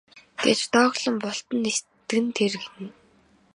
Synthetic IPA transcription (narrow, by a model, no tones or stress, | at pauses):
ɡ̥ḛt͡ɕt̪ɔːʁɮə̆mpɔɬt̪ə̆nes | t̪ɘ̆ɡɘ̆nt̪ʰerɡenɘ̆n